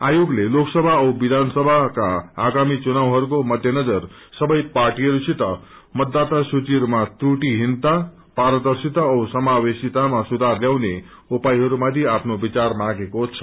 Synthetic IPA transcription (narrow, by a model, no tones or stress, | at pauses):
ajoɡleloksʌbʱaʌwbid̪ʱansʌbʱakaːɡamit͡sunawɦʌɾukomʌd̪ʱjʌnʌd͡zʌr | sʌbʌjparʈiɦʌɾusʰit̪ʌ | mʌt̪d̪ːat̪asut͡siʌɾumat̪ruʈiɦint̪a | paɾʌd̪ʌrsit̪aʌwsʌmawesit̪amasud̪ʱarljawne | upajɦʌɾumad̪ʱiapʰnobit͡sarmaɡekot͡sʰʌ̥